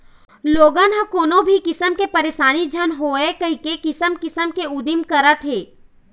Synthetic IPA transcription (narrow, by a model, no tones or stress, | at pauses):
loːɡãnãkoːnobʱikɪsəmkepɐɾeːʃaːnid͡ʒʱənɦoːekɐɦikekɪsəmkɪsəmkeud̪imkɐɾət̪ɦeː